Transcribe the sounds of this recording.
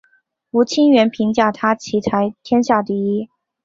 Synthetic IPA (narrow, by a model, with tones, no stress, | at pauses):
u˧˥t͡ɕʰi˥nɥɛ˧˥npʰi˧˥ŋt͡ɕja˥˩t̪ʰa˥t͡ɕʰi˧˥t̪ʰa˧˥ɪt̪ʰjɛ˥nɕja˥˩t̪i˥˩i˥